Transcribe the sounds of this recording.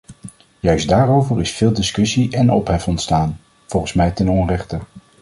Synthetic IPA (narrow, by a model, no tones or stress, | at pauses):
jœɥsdaːrowvəɹɪsfɪːlˠdɪskɵsiɛnɔpɦɛfɔntstaːn | v̥ɔlˠχən̩smɛjtɛnɔnrɛχtə